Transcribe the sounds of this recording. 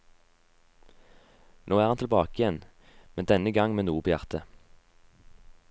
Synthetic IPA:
noːæːʁɑnt̪lbɑːkəjɛn | mɛnd̪ɛnəɡɑŋmeːnuːpʰoːjæʁt̪ə

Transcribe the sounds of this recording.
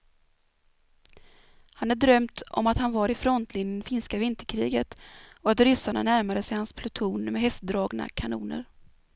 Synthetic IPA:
hanæɖɾœmt̪ʔɔ̰mat̪hanvaɾɪfɾɔnt̪ʰlɪnjənfɪnskavɪnt̪əɾkʰɾḭːɡət̪ɔat̪ɾʏsaɳa̰næɾmad̪əsɛjhanspʰlɵt̪ʰuːnmɛɦɛst̪̚d̪ɾɑːɡna̰kʰanṵːnə̰ɾ

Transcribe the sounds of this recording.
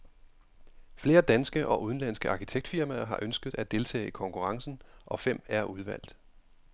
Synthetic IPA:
fle̝ːɐd̥ænsɡ̥əʔɒ̽ʔuð̞ˠn̩læn̰sɡ̥əʔɑ̈kʰit͡sʰeɡ̥̚d̥fiɐmæɦɑ̈ʔønsɡ̥əð̩ˠʔæd̥e̝lt͡sʰɛ̰ːikʰɒ̽ŋkʰuʁɑ̈ŋsn̩ʔɒ̽fem̰æɐʔuð̞ˠʋæl̰d̥

